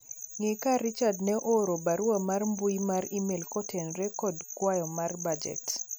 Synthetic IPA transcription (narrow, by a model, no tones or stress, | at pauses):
ŋekaɾit͡ʃadnɛʔoɾobaɾuwamarmbujimaɾimelkɔtʰɛnɾɛkɔdkwajɔmarbad͡ʒɛ̰t